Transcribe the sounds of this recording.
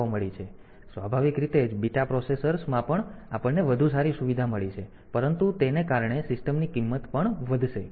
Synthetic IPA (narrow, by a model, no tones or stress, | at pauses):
oməɭit͡ʃʰe | sʋabʱaʋikɾit̪ed͡ʒbiʈapɾɔsesəɾsmãpəɳapəɳneʋəd̪ʱus̬aɾisuʋid̪ʱaməɭit͡ʃʰe | pəɾənt̪ut̪enekaɾɳesɪsʈəmnikimːət̪pəɳʋəd̪ʱʃe